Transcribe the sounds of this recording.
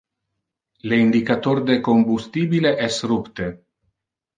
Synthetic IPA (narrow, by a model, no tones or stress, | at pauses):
leind̪ikat̪oɾd̪ekombust̪ibileʔɛsrupt̪e